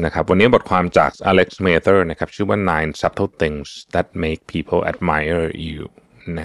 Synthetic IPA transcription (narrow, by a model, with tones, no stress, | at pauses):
na˦˥kʰa˦˥p̚wa˧nːiː˦˥bo˨˩t̚kʰwaː˧mt͡ɕa̰ː˨˩k̚ʔa˧le˦˥k̚smeː˧t̪ʰə˥na˦˥kʰa˦˥p̚t͡ɕʰɯː˥˩wa˥nːaː˧jnsa˦p̚t̪ʰə˦˥t̪i˧ŋsd̪æ˨˩t̚me˦˥k̚pʰiː˦˧pʰə˧lʔɛ̰˧˩t̚ma˧jə˧˩jṵː | na˦˥